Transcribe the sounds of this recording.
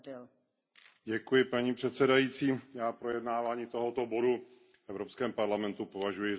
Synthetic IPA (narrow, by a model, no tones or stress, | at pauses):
ɟɛkujɪpaɲiːpr̥ɛt̪sɛdajiːt͡siːjaːpɾo̞jɛdnaːvaːɲiːt̪o̞ɦot̪o̞bo̞du | fʔɛvɾopskɛːmpaɾlamɛnt̪upo̞vaʒujɪ